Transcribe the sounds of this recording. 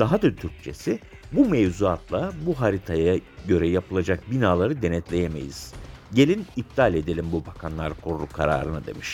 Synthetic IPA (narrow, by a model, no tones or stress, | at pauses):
d̪aɦad̪at̪ʰyɾc̚t͡ʃʰe̞si | bumevzuat̪ʰlˠabuɦaɾit̪ʰajaɟø̞ɾɛjapʰɯlˠad͡ʒak̚binaːlˠaɾɯd̪e̞nɛt̪lʲe̞jeme̞̰jḭz̥ɟe̞lʲinip̚t̪ʰalʲe̞d̪elʲimbubakʰanlˠaɾkʰoɾulˠukʰaɾa̰ːɾɯnɯd̪e̞̰miʃ